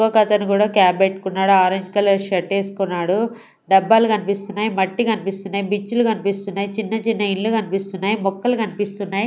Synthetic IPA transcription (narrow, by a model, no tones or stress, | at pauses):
ɡɐkɐt̪ɐnukuːɽaːkaːbeʈːu̥kunːaːɽuaːɾɐɲd͡ʒkɐlɐɾʃɐʈeːsu̥kunːaːɽu | ɖɐbːaːlukɐnipist̪unːaːjimɐʈːikɐnipist̪unːaːjibit͡ʃːulukɐnipist̪unːaːjit͡ʃinːɐt͡ʃinːɐinlukɐnipist̪unːaːjimɔkːɐlukɐnipist̪unːaːji